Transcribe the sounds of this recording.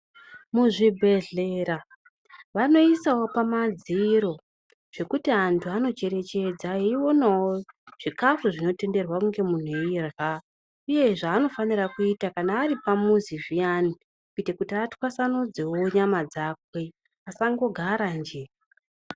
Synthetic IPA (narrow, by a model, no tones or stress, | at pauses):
muʐibʱe̞ɮe̞ːra | ʋano̞isawo̞pamad͡ziɾo̞ | ʐ̥e̞kutiantʰuano̞t͡ʃe̞ɾe̞t͡ʃe̞d͡zaeiwo̞nawoʐ̥ikafuʐino̞te̞nde̞rwakuŋɡemun̤ueirɣa | uje̞ʐaːno̞fanirakuitakanaːripamuziviani | kuitekutiatwasanud͡zewo̞ɲamad͡zakwe̞ | asaŋɡo̞ɡʱaɾand͡ʒe̞